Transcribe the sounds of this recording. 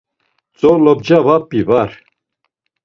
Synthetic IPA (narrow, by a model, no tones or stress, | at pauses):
t͡sʼɔlɔb̚d͡ʒavapʼːivaɾ